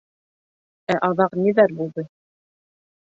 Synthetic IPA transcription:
æʔɑðɑqniðæɾbulˠd̪ɤ

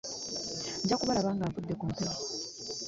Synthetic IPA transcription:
ɲɟakuβalaβaːŋɡaːɱvudːekuːmteɾi

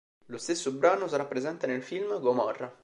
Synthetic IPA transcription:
lost̪esːobɾaːnosaɾapːɾezɛnt̪enelfilmɡomɔrːa

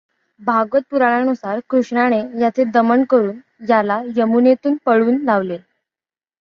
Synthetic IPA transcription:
bʱaɡʋət̪̚puɾaɭ̃anusaɾkɾuʂɳaɽ̃ejat͡sed̪əməɳkəɾuːn | jalajəmunet̪uːnpəɭuːnlaʋle

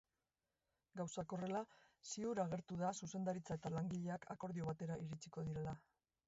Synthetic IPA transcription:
ɡawsako̞re̞lasiuɾaɣ̞e̞ɾt̪uðasuse̞nd̪aɾit͡sae̞t̪alaŋɡiʎe̞akʰako̞ɾðio̞βat̪e̞ɾaʔiɾit͡siko̞ðiɾe̞la

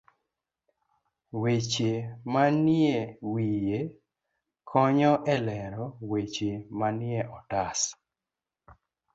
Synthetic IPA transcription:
wet͡ʃemanɪewije | kʰɔɲɔʔɛlɛɾɔwet͡ʃemanɪeʔɔtas

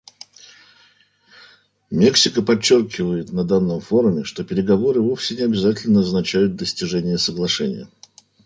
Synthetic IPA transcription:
mʲeksʲɪkəpɐt͡ɕːo̞rkʲɪvəjɪt̪nɐd̪anːəmfo̞ɾʊmʲɪʂt̪o̞pʲɪɾʲɪɡɐvo̞ɾɨvo̞fsʲɪnʲɪɐbʲɪzatʲɪlʲnəɐznɐt͡ɕæjʊt̪̚d̪əsʲtʲɪʐɛnʲɪjəsəɡlˠɐʂɛnʲɪ̰jə̰

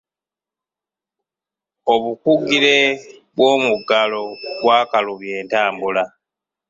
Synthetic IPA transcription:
oβukuɡiɾe̞βwo̞ːmuɡalo̞βwaːkaluβje̞ːntaːmbula

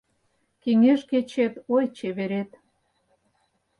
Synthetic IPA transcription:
keŋeʃket͡ɕet̪ojt͡ɕeβeɾet̪

